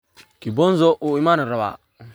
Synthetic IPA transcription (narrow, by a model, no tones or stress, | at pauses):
kibonzoʔuimaniɾaba̰